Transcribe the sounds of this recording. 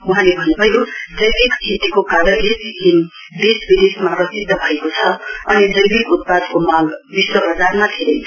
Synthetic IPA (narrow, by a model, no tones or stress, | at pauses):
uɦãlebʱʌnubʱʌjodʌjbikt͡sʰit̪ikokaɾʌlebikin | d̪esbid̪esmaprʌsid̪ʱːʌbʱʌekot͡sʰʌʌnidʌjbikut̪̚pad̪komaɡbiswʌbʌd͡zarmat̪ʰeɾe